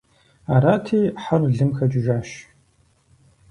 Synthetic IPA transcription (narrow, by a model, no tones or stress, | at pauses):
aɾaːtʰiːħarɮɨmxɐt͡ʃʼɪʒaːʃ